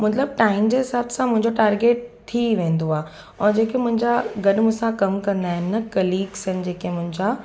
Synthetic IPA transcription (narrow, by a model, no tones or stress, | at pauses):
mɐt̪ləb̚ʈaːɪmd͡ʑeːɦɪsaːbsãmʊ̃ɦɪ̃ɲd͡ʑoʈaːɾɡeːʈ̚t̪ʰiʋẽːnd̪oaːɦ | ɔ̃ːd͡ʑeːkemʊ̃ɦɪ̃ɲd͡ʑaɡɐɗʊmʊsãkɐmkɐ̃nd̪aːɦɪnɪ̆ːɐkɐliːksənɪ̆d͡ʑeːkemʊ̃ɦɪ̃ɲd͡ʑa